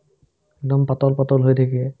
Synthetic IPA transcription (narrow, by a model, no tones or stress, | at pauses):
ɛɡdɔmpatɔlpatɔlɦojtʰakiɛ